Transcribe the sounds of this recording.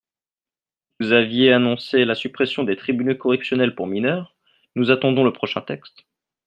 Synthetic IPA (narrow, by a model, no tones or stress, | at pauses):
vuzavjeanɔ̃selasypχɛsjɔ̃d̪et̪χibynokɔʁɛksjɔnɛlpuʁminœːʁ | nuzat̪ɑ̃d̪ɔ̃ləpχɔʃɛ̰̃t̪ɛkst̪